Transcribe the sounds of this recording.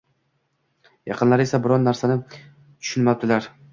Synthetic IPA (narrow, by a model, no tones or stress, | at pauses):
jɑqʰɨnlaɾe̞sabɪɾɒnːaɾsanɪ | t̪ʰʊ̥ʃʊnmap̚d̪ɪlaɾ